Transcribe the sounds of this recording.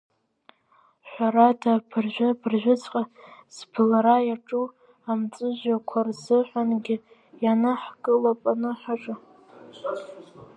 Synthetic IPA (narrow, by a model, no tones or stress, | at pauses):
ħʷaɾadʰapʰɨrʒʷᶣapʰrʒᶣʷʊt͡sʰʼqʼaz̥pʰɨlaɾajaʈ͡ʂʼu | amt͡sʼɨʒʷᶣakʷʰarzɨħʷanɡʲɪ | janɨħkʼɨlapʼanɨħʷaʈ͡ʂʼɨ